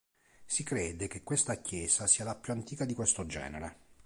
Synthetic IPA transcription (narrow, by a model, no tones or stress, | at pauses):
sikɾeːd̪ekekːwest̪akjɛːzasiːalapjuant̪iːkad̪ikwest̪od͡ʒɛ̰ːneɾe